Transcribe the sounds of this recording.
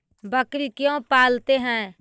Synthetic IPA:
bəkɾikjõpaːlt̪eɦɛ̃ː

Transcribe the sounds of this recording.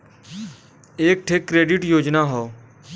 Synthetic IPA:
eːk̚ʈʰeːkːɾeːɖɪʈjoːd͡ʒnaːɦɔː

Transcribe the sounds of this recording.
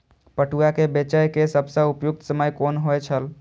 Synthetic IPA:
pəʈuakebet͡ʃəjkesəbʱsə̃upjukt̪səməjkonɦojt͡ʃʰəl

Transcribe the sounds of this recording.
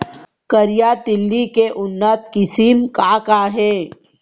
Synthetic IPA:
kəɾjad̪ɪlːikeʔʊnːət̪kɪsimkaːkaːɦɛː

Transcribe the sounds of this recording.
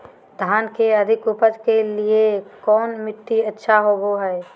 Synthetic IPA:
d̪ʱaːnkeəd̪ʱɪkʊpət̪keliekɔːnmɪt̪ːiətːʃʰaɦoboɦɛː

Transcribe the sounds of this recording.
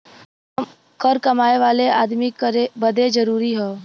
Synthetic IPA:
kəɾkəmaːeʋaːleʔaːd̪mikɾebəd̪ʱed͡ʒəɾuːɾiɦɔː

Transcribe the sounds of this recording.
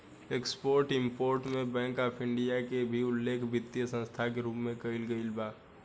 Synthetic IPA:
ekspoːɾʈɪmpoːɾʈmẽbɛ̃ːŋkaːpʰɪ̃ɳɖijakebʱiʊlːeːkʰbɪt̪ːjəsə̃nst̪ʰakeɾuːpmẽkəɪlɡəilbaː

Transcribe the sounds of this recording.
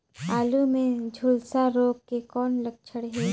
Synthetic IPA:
aːlumẽd͡ʒʱʊlsaɾoːɡkekɔːnlɐk̚t͡ʃʰəɽɦɛː

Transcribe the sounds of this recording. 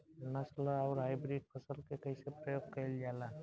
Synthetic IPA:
nəslaaːɾɦaːɪbɾiːɖ̚kəsəlkekəɪsepɾəjoːɡ̚kəld͡ʒaːlaː

